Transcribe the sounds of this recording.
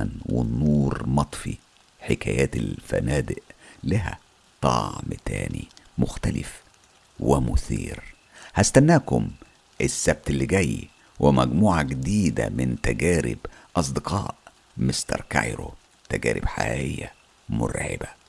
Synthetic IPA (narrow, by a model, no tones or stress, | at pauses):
ænwɪnːuːɾmɑt̪ˤfi | ħekæːjæːt̪elfænæːd̪ɪʔlæɦæ | t̪ˤɑʕmt̪æːnimʊxt̪ælɪf | wɪmʊθiːɾ | hæst̪ænːæːkʊm | ʔɪsːæb̚t̪elːiɡæj | wʔɪmæɡmuːʕaɡd̪iːd̪æmɪnt̪æɡæːɾɪbʔɑs̬ˤd̪ɨqɑːʔ | mɪst̪ɑɾˤkajɾo | t̪æɡæːɾɪb̥ħaʔɪjːæ | mʊɾʕɪ̰bæ